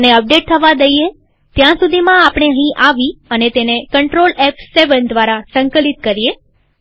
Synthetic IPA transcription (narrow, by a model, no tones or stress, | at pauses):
neəp̚ɖeʈ̚t̪ʰəʋad̪əie | t̪jãsud̪ʱimãapəɽ̃eəɦĩʔaʋiənet̪enekəɳʈɾolɛpseʋənd̪ʋaɾasəŋkəlit̪̚kəɾije